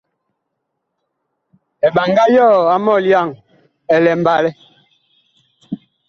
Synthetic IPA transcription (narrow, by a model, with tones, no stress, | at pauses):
ɛ˨ɓa˨ŋɡa˦jɔː˦˨a˦mɔ˦˨lja˦˨ŋ | ɛ˨lɛ˨m˨ba˨lɛ˦